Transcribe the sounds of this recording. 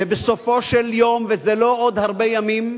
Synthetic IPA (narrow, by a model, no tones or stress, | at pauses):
ebesofoʃeljomvezeloʔod̪haʁbejamim